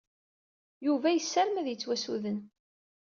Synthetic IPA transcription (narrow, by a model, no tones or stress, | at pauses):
juvæjəsːæɾmæðjət͡sːwæsuðən